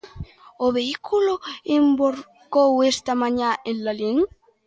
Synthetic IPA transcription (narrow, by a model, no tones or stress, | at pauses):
oβeikʰuloemboɾ | kowest̪amaɲaenlaleŋ